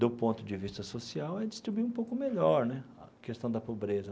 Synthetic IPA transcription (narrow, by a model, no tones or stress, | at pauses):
d̪ʊpõnt̪ʊd͡ʒɪvist̪ɐsosiawɛd͡ʒɪst̪ɾibuiũpowkʊmeʎɔɾnɛɐ̰kest̪ɐ̃w̃d̪ɐpobɾezɐ